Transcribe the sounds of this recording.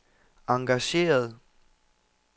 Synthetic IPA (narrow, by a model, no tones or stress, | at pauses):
ɑ̈ŋɡ̥æɕe̝̰ːɐð̞ˠ